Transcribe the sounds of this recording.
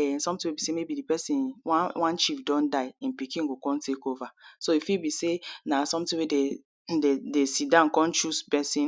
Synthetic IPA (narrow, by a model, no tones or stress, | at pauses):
ɛsɔ̃mtĩwebisemebidipɛsĩnwãnt͡ʃifdɔ̃ndaɪĩnpikĩnɡokɔ̃ntekovasoifibisenasɔ̃mtĩwede | dedesidãnkɔ̃nt͡ʃuspɛsĩn